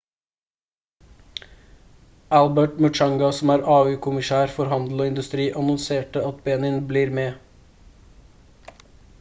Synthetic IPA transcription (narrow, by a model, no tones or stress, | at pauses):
ʔælbəʈmʉʈɑŋɡɑsɔmæːɾɑːʉːkʰʊmɪʃæːɾfɔɾɦɑnd̪l̩oːɪnd̪ʉst̪ɾiːʔɑnɔnseːʈəɑt̪beːnɪnbliːɾmeː